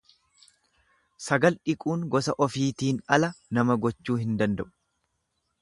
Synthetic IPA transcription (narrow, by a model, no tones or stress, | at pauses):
sɐɡɐlᶑɪkʼuːŋɡɔsɐʔɔfiːt̪iːnɐlɐnɐmɐɡɔt͡ʃːuːhɪnd̪ɐnd̪ɐʔʊ̥